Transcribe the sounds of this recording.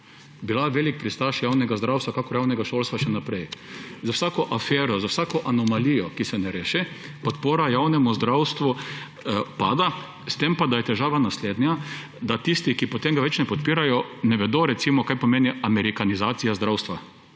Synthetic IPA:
bilaʋeːlik̚pɾist̪aʃjawnɛɡazd̪ɾawst̪ʋakakɔɾjawnɛɡaʃolst̪ʋaʃɛnapɾɛjzawsaːkɔʔafɛːɾɔzawsaːkɔʔanɔmalijɔkisɛnɛɾeːʃɛ | pɔt̪poːɾajawnɛmuzd̪ɾawst̪ʋu | pa̰ːd̪a | st̪empad̪ajɛt̪ɛʒaːʋanasled̪nja | d̪at̪ist̪ikipɔt̪eŋɡaʋɛt͡ʃnɛpɔt̪piːɾajɔnɛʋɛd̪oɾɛt̪simɔkajpɔmeːniamɛɾikanizaːt̪sijazd̪ɾawst̪ʋa

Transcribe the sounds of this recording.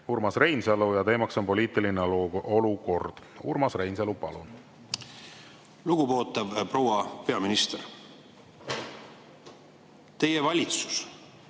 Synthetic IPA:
hurmɑsre̞jnsɑlujɑt̪e̞ːmɑkso̞npo̞liːt̪ˑilineo̞luko̞rd̪̥ṵrmɑsre̞jnselupɑlṵn | luɡ̥ubo̞ːt̪ːˑɑvpro̞wɑpe̞ɑminist̪eɾ | t̪e̞jevɑlʲit̪su̥s

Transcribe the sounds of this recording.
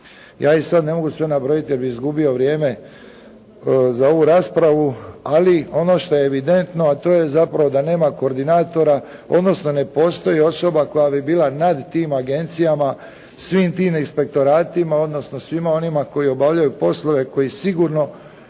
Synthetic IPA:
jaːisad̪ne̞mo̞ɡusʋe̞nabɾo̞jit̪ije̞ɾbixizɡubio̞ʋɾje̞ːme̞ | zao̞ʋuɾaːspɾaʋualio̞no̞ʃt̪o̞jeːʋid̪e̞nt̪no̞at̪o̞ːje̞zapɾaʋo̞d̪ane̞ːmako̞ːɾd̪inaːt̪o̞ɾa | o̞d̪no̞sno̞ne̞po̞ːst̪o̞jio̞so̞bako̞jabibiːlanad̪t̪iːmaɡe̞nt̪sijama | sʋiːmt̪iːminspe̞k̚t̪o̞ɾaːt̪imao̞d̪no̞sno̞sʋimao̞nimako̞jio̞baʋʎajupo̞slˠo̞ʋe̞ko̞isiɡuɾno̞

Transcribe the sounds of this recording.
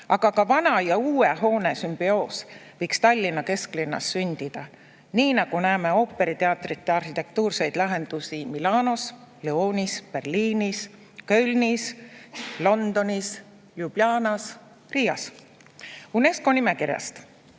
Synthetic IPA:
ɑɡ̥ɑkɑvɑnɑjɑuːeɦo̞ːne̞symb̥io̞ːsvɤjkst̪ɑlʲːinːɑke̞sklinːɑ̰sːynʲd̪̥id̪̥ɑ | niːnɑɡ̥unæːme̞o̞ːpːe̞ɾit̪e̞ɑt̪ˑrit̪ːe̞ɑrhit̪e̞k̚t̪uːrse̞jd̪̥lɑɦe̞nd̪̥usimilɑːno̞sleo̞ːnispe̞rliːnis | kølʲnis | lo̞nd̪̥o̞nis | jub̥lɑːnɑs | riːɑs | une̞sko̞nime̞kiɾjɑ̰st̪

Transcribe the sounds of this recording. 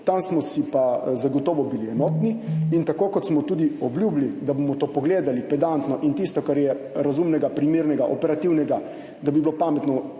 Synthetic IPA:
t̪ansmɔsipazaɡɔt̪ɔːʋɔbiliɛnɔːt̪niint̪akoːkɔt̪smɔt̪uːd̪iɔblʲjuːblid̪abomɔt̪oːpɔɡleːd̪alipɛd̪ant̪nɔʔint̪ist̪ɔkaɾjɛ | ɾazumnɛɡapɾimeɾnɛɡaʔɔpɛɾat̪iwnɛɡa | d̪abiblopamɛt̪nɔ

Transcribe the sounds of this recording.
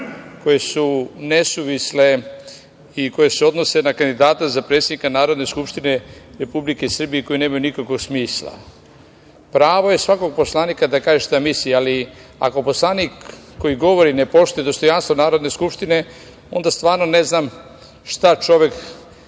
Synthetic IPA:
ko̞jesunesuʋisle̞ | iko̞je̞seo̞d̪no̞se̞nakand̪id̪aːt̪azapɾe̞t̪sed̪ikanaːɾo̞d̪ne̞skupʃt̪ine̞ɾe̞publike̞sr̩bijeko̞jineːmajunikakoɡsmiːslˠa̰ | pɾaːʋo̞je̞sʋako̞ɡ̚po̞slˠaːnikad̪akaːʒeʃt̪amisialia̰ko̞po̞slˠaːnikː | o̞jiɡo̞ʋo̞ɾinepo̞ʃt̪ojed̪o̞st̪o̞janst̪ʋonaːɾo̞d̪ne̞skupʃt̪ine̞ | o̞̰nd̪ast̪ʋaːɾnone̞znam | ʃt̪at͡ʃo̞ʋe̞k

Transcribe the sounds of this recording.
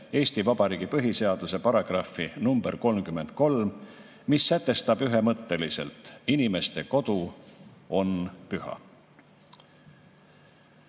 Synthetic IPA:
e̞ːsʲt̪ivɑbɑɾiːɡ̥ipɤɦise̞ɑd̪̥use̞pɑɾɑɡ̥rɑfinumb̥eɾko̞lmkymːe̞nd̪̚ko̞lm | misːæt̪ːˑe̞st̪ɑb̥yɦe̞mɤt̪ːe̞lise̞̰lt̪ˑinime̞st̪e̞ko̞d̪̥u | o̞npyhɑ̰

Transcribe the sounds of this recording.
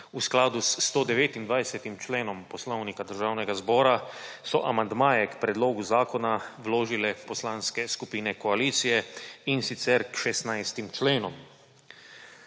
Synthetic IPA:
usklaːd̪ust̪oːd̪ɛʋeːt̪ind̪ʋajsɛt̪imt͡ʃleːnɔmpɔslɔwnikad̪əɾʒawnɛɡazbɔːɾasɔʔamand̪maːjɛkpɾɛd̪loːɡuzaːkɔnawloːʒilɛpɔslaːnskɛskupiːnɛkɔaliːt̪sijɛinsit̪sɛɾkʃɛst̪najst̪imt͡ʃleːnɔm

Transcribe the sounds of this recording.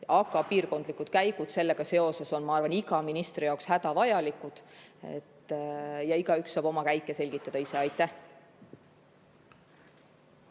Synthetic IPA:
ɑɡɑpiːrko̞nd̪likːˑud̪̥kæjɡud̪̥se̞lːe̞ɡ̥ɑse̞o̞se̞so̞nmɑɑrvɑniɡɑminist̪rijɑokshæd̪̥ɑvɑjɑlikːˑud̪̥ḛt̪ːjɑiɡ̥ɑyksːɑːb̥o̞mɑkæjkːˑese̞lʲɡ̥it̪ːˑɑd̪̥ɑise̞ɑjt̪ːˑæh

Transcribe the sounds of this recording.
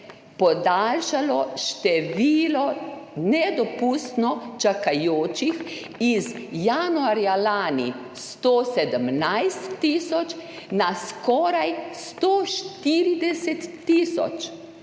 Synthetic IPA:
pɔd̪alʃalɔʃt̪ɛʋiːlɔnɛd̪ɔpuːst̪nɔt͡ʃakajoːt͡ʃix | izjaːnuaɾjalaːni | st̪oːsɛd̪əmnajst̪ːiːsɔt͡ʃ | naskɔːɾajst̪oːʃt̪iːɾid̪ɛsɛt̪ːisɔ̰t͡ʃ

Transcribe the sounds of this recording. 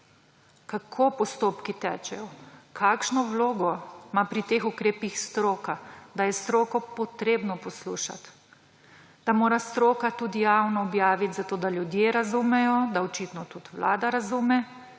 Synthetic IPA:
kakʰopɔst̪oːpkit̪ɛːt͡ʃɛjɔkʰaːkʃnɔwloːɡɔmapɾit̪eːxukɾeːpixst̪ɾoːkad̪ajɛst̪ɾoːkɔpɔt̪ɾeːbnɔpɔsluːʃa̰t̪ | d̪̥amoːɾast̪ɾoːkat̪ud̪ijaːwnɔɔbjaːʋit̪zat̪oːd̪aljud̪jeɾazumɛjɔd̪aɔt͡ʃit̪nɔt̪ut̪ʋla̰ːd̪aɾazumɛ

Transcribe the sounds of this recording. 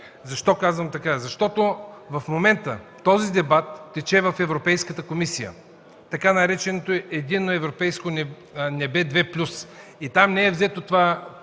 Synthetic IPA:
zɐʃt̪ɔkazvəmt̪ɐkazɐʃt̪ɔt̪ovɐfmomɛnt̪ət̪ɔzid̪ɛbat̪ːɛt͡ʃɛvɐfɛvɾopɛjskət̪əkomisijə̰ | t̪ɐkanɐɾɛt͡ʃɛnot̪oɛʔɛd̪inːoɛvɾopɛjskon | nɛbɛd̪vɛplʲusit̪amnɛɛvzɛt̪ot̪ova

